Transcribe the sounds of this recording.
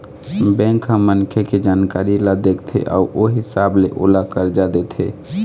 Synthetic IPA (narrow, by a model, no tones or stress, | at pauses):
bɛ̃ŋkɦə̃mːənkʰeked͡ʒankaɾilad̪ekt̪ʰɛ̰ʔa̰uʔoɦisableʔo̰lakəɾd͡ʒad̪et̪ʰɦḛ